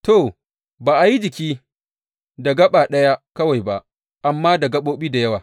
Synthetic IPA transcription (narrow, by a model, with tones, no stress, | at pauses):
to˨ | baː˨ʔa˨ji˦d͡ʒɪ˨kʲiː˦ | da˨ɡɐ˦ɓa˨ɗɐ˦ja˦kɐ˦wa˨jba˦ʔ | ʔa˨mːaː˦dɐ˨ɡɐ˦ɓoː˦ɓiː˦da˨jɐ˦waː˨